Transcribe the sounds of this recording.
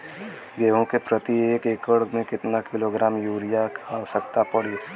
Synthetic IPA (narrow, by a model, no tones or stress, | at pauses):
ɡeːɦõkepɾət̪ieːkeːkəɽɡmẽkɪt̪nakɪloɡɾaːmjuːɾɪjaaːʋəsəkt̪apɐɽiː